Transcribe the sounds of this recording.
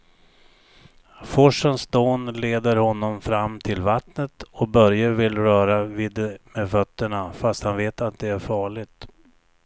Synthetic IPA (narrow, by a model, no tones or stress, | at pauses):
fɔʂənsd̪oːnleːd̪əɾhɔnːɔmfɾamːt̪ʰɪlvat̪nət̪ɔbœɾjəvɪlɾœːɾaviːd̪mɛfœt̪ːəɳafast̪hanveːt̪at̪̚d̪ɛæɾfɑːɭɪɡt̪